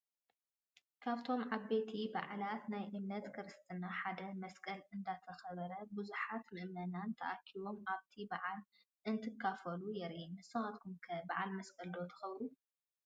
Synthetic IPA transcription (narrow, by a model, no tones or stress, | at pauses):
kʰaβt̪ʰo̞mʕaβːe̞t̪ʰiba̰ʕlat̪najʔɨmnɐt̪kʰɨɾɨst̪ʰɨnaħad̪ɐmɐskʰʼɐlɨnd̪at̪ʰɐxɐβɐɾɐbɨzuħat̪mɨʔmɐnant̪ʰɐʔakʰːiβo̞mʔaβt̪ʰibaʕal | ʔɨnt̪ʰɨkʰːafɐlujɛɾʔinɨsɐmat̪kʰumkʰɐbaʕalmɐskʰʼɐld̪o̞t̪ʰɐ̥xɐβɾu